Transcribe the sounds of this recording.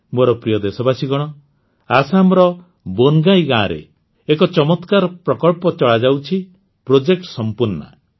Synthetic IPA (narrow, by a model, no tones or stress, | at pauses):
moɾɔpɾijɔd̪esɔbasiɡɔɽ̃ɔ | asamɾɔ | bonɡajɡãɾḛ | ekɔt͡ʃɔmɔt̪kaɾɔpɾɔkɔɭpɔt͡ʃɔɭad͡ʒawt͡ʃʰi | pɾod͡ʒek̚ʈsɔmpuɾna̰